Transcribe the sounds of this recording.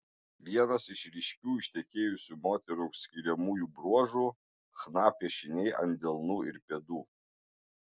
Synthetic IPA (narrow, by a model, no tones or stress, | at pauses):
ʋʲiɛnɐsɪʃɾʲɪʃʲkʲuːɪʃʲt̪ʲɛkʲeːjʊsʲuːmoːt̪ʲɛɾɐʊʃsʲkʲɪɾʲɛmuːjuːbɾuɔʒuː | xnɑːpʲiɛʃʲɪnʲɛɪʔɐ̰nʲd̪ʲɛlˠnuːɪɾpʲɛd̪uː